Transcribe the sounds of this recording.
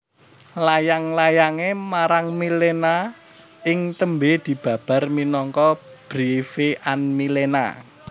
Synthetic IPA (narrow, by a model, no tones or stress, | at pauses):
lajaŋlajaŋemaɾaŋmilena | ɪŋt̪əmbed̪̥i̤b̥ä̤b̥a̤rminɔŋkɔ | b̥ɾifeʔanmilena̰